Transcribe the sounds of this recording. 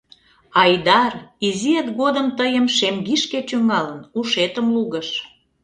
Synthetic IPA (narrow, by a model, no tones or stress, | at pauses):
ɑjd̪ɑriziet̪ɣod̪əmt̪əjəmʃemɡiʃket͡ɕyŋɑlənuʃet̪əmluɣəʃ